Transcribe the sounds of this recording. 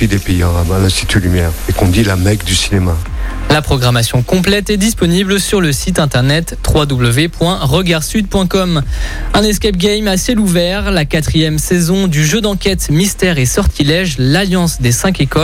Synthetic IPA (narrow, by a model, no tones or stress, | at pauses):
id̪epeiaʁabalɛ̃st̪it̪ʰylymjɛːʁekɔ̃d̪ilamɛkd̪ysinemalapχɔɡʁamasjɔ̃kɔ̃plɛt̪ɛd̪ispɔniblsyʁləsit̪ɛ̃t̪ɛʁnɛt̪ːχwad̪ubləvepwɛ̃ʁəɡaʁsyd̪̚pwɛ̃kɔm | ɛ̃nɛskʲap̚ɡʲɛjmasɛluvɛʁlakat̪χijɛmsɛzɔ̃d̪yʒød̪ɑ̃kʲɛt̪mist̪ɛʁesɔʁt̪ʰilɛʒlaljɑ̃sd̪esɛ̃kekɔ